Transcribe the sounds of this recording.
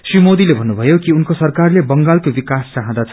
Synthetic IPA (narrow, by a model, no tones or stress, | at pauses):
srimod̪ilebʱʌnːubʱʌjokiunkosʌrkarlebʌŋɡalkobikast͡saɦãd̪at͡sʰ